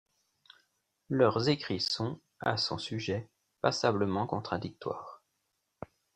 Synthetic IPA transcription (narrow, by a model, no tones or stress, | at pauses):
lœʁzekχisɔ̃ | a̰sɔ̰̃syʒɛ | pasabləmɑ̃kɔ̃t̪χad̪ik̚t̪wa̰ːʁ